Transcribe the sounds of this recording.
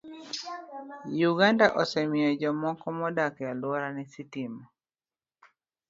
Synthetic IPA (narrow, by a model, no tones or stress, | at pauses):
juɡandaʔɔsɛmɪjɔd͡ʒɔmɔkɔmɔdakjalwɔɾanɛsitimɔ